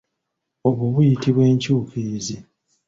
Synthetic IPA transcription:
o̞βuβujitiβwe̞ːɲcuːkʰizi

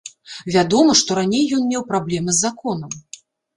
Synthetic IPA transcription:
vʲad̪ɔmɐʂt̪ɔɾanʲejːɔnmʲɛwpɾablʲɛmɨzːakɔnɐm

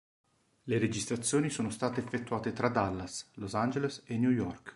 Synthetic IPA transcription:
leɾed͡ʒist̪ɾat̪sːjoːnisoːnost̪aːt̪eːfːet̪ːuaːt̪et̪ɾad̪alːaslosand͡ʒelesenjujɔrk

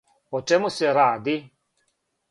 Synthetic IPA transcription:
ot͡ʃemuseɾaːd̪i

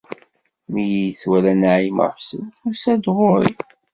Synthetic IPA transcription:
mijijθwælænaʕimə̰fsə̰nt̪usæd̪ʁʊɾḭ

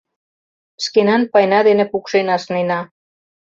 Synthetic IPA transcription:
skenɑnpɑjnɑd̪enĕpukʃenɑsnenɑ

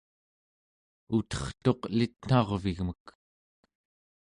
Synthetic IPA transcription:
ut̪ʌ̥χt̪o̞qlit̪n̥ɑʁviɣmək

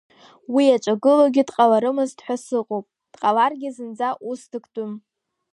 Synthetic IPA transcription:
wiat͡ʃʷʼaɡɨloɡʲɪdqʼalaɾɨmɨztħʷᶣasɨqʼowpʼ | d̥qʼalarɡʲɪzɨnd͡zaʔusdɨkʰʼtʼʊm

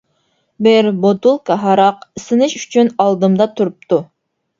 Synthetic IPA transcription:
bɪɾbot̪ulˠkʰɑɦɑɾɑqɪsɪnɪʃyt͡ʃʰynɑlˠd̪ɨmd̪ɑt̪ʰuɾup̚t̪ʰu

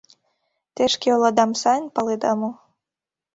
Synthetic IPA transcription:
t̪eʃkeolˠɑd̪ɑmsɑnʲpɑled̪ɑmo

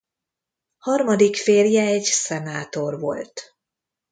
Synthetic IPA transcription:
hɒrmɒd̪ikfeːrjɛɛɟsɛnaːt̪o̞rvo̞̰lt̪

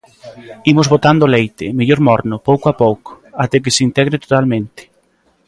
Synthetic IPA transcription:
imʊzβot̪and̪ʊlejt̪ɪmeʎoɾmɔɾnʊpowkoapowkʊ̥ | at̪ɛk̬ɪsint̪ɛɣɾɪt̪o̥t̪almẽnt̪ɪ̥

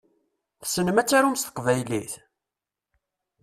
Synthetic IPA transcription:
θsənəmæt͡sːaɾumst̪ə̥qvæjliθ

